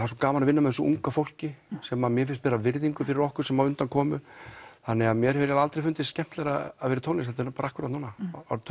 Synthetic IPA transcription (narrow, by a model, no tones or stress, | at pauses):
asɔkaːmanavɪnːamɛsɔṵŋkafowl̥cɪsɛːmamjɛfɪnst̪pɛːɾavɪɾðiŋkʏfɪɾɪɾɔhkʏ̥sɛmːaðʏnt̪ankʰɔːmʏθanːɛɣaðmjɛɾhɛɾjaðalt̪ɾejfʏnt̪ɪscɛm̥t̪lɛɾaaðvɛːɾɪt̪ʰoːwnɪsθɛt̪ɪɾpaːɾaahkvʏɾat̪nuːnaat̪ʰ